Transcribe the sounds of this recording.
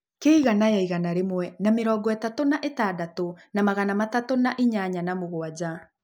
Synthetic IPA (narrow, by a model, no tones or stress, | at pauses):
keiɣanajaiɣanaɾemwɛnameɾɔːɡɔɛtatonaʔetadatonamaɣanamatatonaʔiɲaɲanamoɣoad͡ʑa